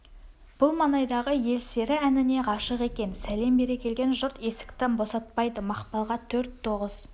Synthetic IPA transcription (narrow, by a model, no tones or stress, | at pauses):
b̥ʊlˠmɑnɑjd̪ɑʁəje̞lse̞ɾɪænɪne̞ʁɑʃəqe̞kʲe̞nsæle̞mbe̞ɾe̞kʲʰe̞lɡʲe̞nʒʊɾt̪e̞sɪ̥kt̪ɪnbo̞sɑt̪̚pɑjd̪əmɑqpɑlˠʁɑt̪ʰɵɾt̪ʰːo̞ʁəz̥